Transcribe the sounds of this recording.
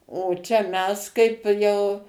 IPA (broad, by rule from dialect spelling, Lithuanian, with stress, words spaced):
oː ˈt͡ʃʲɛ ˈmʲɛs kɐɪp ˈjɛʊ